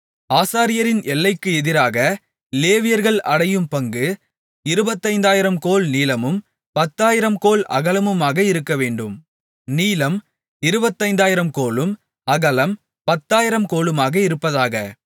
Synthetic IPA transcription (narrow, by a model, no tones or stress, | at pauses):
aːsaːɾɪjɐɾɪnʔɛlːɐɪkːɯɛðɪɾaːɣɐ | leːʋɪjɐɾɣɐɭɐɽɐjɯmpɐŋɡɯ | ɪɾɯbɐt̪ːɐɪnd̪aːjɪɾɐmkoːlniːlɐmɯm | pɐt̪ːaːjɪɾɐmkoːlɐ̰ɣɐlɐmɯmaːɣɐɪɾɯkːɐʋeːɳɖɯm | niːlɐm | ɪɾɯbɐt̪ːɐɪnd̪aːjɪɾɐmkoːɭɯm | ɐɣɐlɐm | pɐt̪ːaːjɪɾɐmkoːlɯmaːɣɐɪɾɯpːɐðaːɣɐ